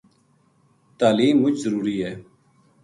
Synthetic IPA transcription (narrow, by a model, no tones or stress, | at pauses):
t̪aːliːmːʊt͡ʃzəɾuːɾiːɦɛː